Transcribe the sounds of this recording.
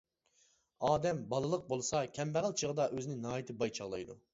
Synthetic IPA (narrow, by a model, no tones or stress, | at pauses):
ɑːd̪ɛmbɑlˠɨlˠəq̚bolˠɨsɑkʲʰɛmbæʁəlˠt͡ʃʰəʁəd̪ɑʔøzɪnɪŋnɦːjit̪ʰɪbɑjt͡ʃʰɑʁlˠɑ̰jd̪ṵ